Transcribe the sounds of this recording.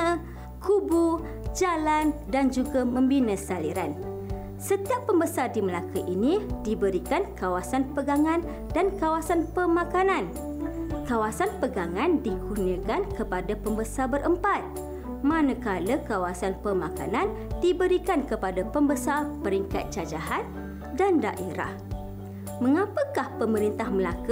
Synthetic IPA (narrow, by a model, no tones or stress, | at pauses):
kʰubu | d͡ʒalandand͡ʒuɡamə̃mbinəsaliɾan | sət̪iapːəmbəsardiməlakəʔinĩdibəɾikankawasanpəɡaŋãn | dankawasanpəmãkanãn | kawasanpəɡaŋãndikuniə̃kankəpadapəmbəsarbəɾʔəmpat̪̚ | manə̃kaləkawasanpəmaka̰nãn | dibəɾikankəpadapəmbəsarpəɾiŋka̰t̪̚t͡ʃad͡ʒaɦat̪̚ | danda̰ʔeɾa̰h | mə̃ŋãpəkahpəməɾint̪ahməlakə